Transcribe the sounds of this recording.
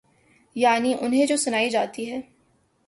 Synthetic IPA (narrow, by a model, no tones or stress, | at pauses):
jaːniʔʊnɦẽd͡ʒoːsʊnaːid͡ʒaːt̪iɦɛː